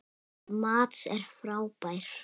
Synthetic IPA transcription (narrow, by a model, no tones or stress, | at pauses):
maːt̪sɛɾ̥fɾaːwpajɾ̥